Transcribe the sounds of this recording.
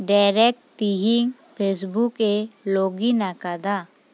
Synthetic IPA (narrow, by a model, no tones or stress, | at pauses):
ɖaɪɾɛk̚ʈt̪iɦɪŋ | pʰeːs̬bukeloːɡinakad̪a